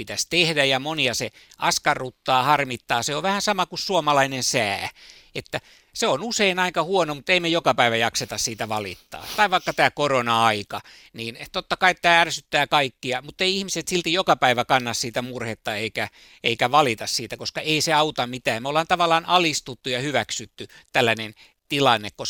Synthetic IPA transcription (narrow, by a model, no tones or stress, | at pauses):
pit̪æst̪ehdæjɑmoniɑse | ʔɑskɑrːut̪ːɑːhɑrmit̪ːɑːseoʋʋæhænsɑmɑkussuomɑlɑinensæː | et̪ːæ | seonuseinɑiŋkɑhuonomut̪ːeimejokɑpæiʋæjɑkset̪ɑssiːt̪æʋɑlḭt̪ːɑ̰ːt̪ɑiʋɑikːɑt̪æːkoronɑɑikɑ | niːnt̪ot̪ːɑkɑiet̪t̪æːærsyt̪ːæːkɑikːiɑmut̪ːeiihmiset̪silt̪ijokɑpæiʋækɑnːɑssiːt̪æmurhet̪ːɑeikæ | eikæʋɑlit̪ɑssiːt̪ækoskɑeiseɑut̪ɑmmit̪æːmeolːɑːnt̪ɑʋɑlːˑɑːnɑlist̪ut̪ːujɑhyʋæksyt̪ːyt̪ælːænen | t̪ilɑnːekkos